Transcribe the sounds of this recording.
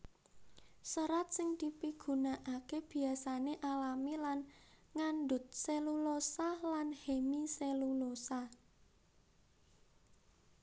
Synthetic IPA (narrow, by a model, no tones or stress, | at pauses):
səɾat̪̚sɪŋd̪̥ipiɡ̥ṳnaʔakeb̥i̤asaneʔalamilanŋanɖʊt̪̚selulosalanhemiselulosa